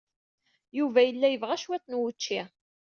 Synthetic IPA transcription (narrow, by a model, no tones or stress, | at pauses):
juvæjəlːæjəvʁæʃwæt͡sːnwut͡ʃːi